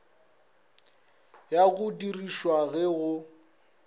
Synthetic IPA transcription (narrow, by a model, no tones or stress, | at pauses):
jaɣʊdiriʃwaɣɛɣʊ